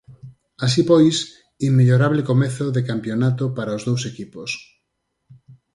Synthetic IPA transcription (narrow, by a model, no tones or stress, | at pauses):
as̬ipojs | imːeʎoɾaβlekomeθoðekampjonat̪opaɾaozðowsekipos